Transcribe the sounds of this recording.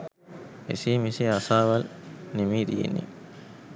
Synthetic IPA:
ḛsiːmiseɐsaːʋɐlnimiːd̪ijḛnːḭ

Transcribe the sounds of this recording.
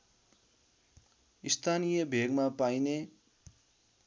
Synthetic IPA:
ist̪ʰanijʌbʱeɡmapajne

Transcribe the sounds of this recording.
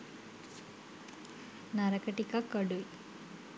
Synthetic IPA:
nɐɾɐkɐʈikakɐɽu

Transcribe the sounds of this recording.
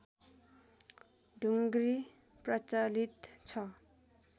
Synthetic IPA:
ɖʱuŋɡɾi | prʌt͡salit̪t͡sʰʌ

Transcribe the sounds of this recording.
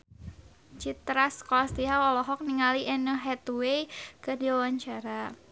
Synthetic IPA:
t͡ʃit̪ɾaskɔast̪iɦaɔlɔɦɔk̚niŋaliʔɛnəɦɛt̪uwejkərdiwawaɲt͡ʃaɾa

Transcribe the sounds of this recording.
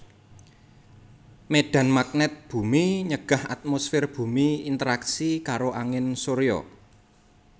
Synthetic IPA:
meɖ̥a̤nmak̚nɛt̪̚b̥ṳmiɲəɡ̥a̤ha̰t̪̚mosfɪrb̥ṳmiint̪əɾaksikaɾoʔaŋɪnsoɾejɔ̰

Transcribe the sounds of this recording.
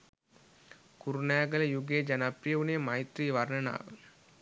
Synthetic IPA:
kʊɾunaːɡɐlɐjuɡeːd͡ʒɐnɐpɾijɐʋunemɐɪt̪ɾiʋɐɾnɐna̰ːʋɐ

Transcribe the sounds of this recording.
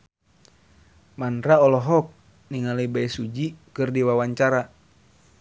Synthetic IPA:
manɾaɔlɔɦɔk̚ | niŋalujbaɛsud͡ʒikɨrdiwawaɲt͡ʃaɾa

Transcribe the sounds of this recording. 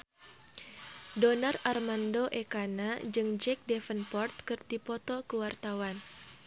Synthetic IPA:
dɔnararmandoʔɛkanad͡ʒɨŋd͡ʒɛk̚dɛfənpɔrt̪̚kɨrdipɔt̪ɔkəwart̪awan

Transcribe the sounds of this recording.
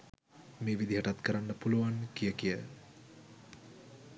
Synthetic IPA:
meːʋid̪iɦaʈat̪kəɾanːəpuluʋankijəkijə

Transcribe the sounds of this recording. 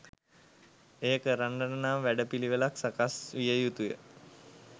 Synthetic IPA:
eːəkəɾaɳɖənənamʋæɖəpiliʋəlaksakasʋijəjut̪ujə̰

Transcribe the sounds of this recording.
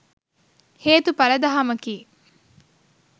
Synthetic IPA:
heːt̪upɐɾɐd̪ɐɦɐmɐkiː

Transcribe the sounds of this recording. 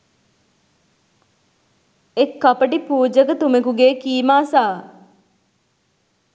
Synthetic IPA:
ekːɐpəʈipuːd͡ʒəkət̪umekuɡeːkiːmaːsaː

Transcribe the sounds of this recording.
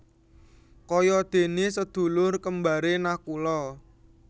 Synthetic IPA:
kɔjɔd̪̥e̤nesəd̪̥ṳlʊrkəmbaɾenahkulɔ

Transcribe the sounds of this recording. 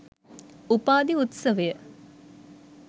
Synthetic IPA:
upaːd̪iut̪sɐʋejə

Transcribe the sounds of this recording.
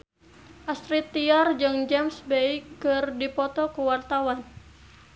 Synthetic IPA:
ʔast̪ɾit̪ːiard͡ʒɨŋd͡ʒɛmsbɛikːɨrdipɔt̪ɔkuwart̪awan

